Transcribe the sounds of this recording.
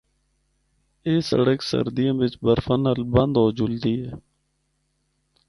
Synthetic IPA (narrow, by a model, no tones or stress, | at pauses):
eːsə̰ɽəksə̰ɾd̪ijãːʋɪt͡ʃbəɾfʰənɦəlbə̃nd̪oːd͡ʒʊld̪iːɛː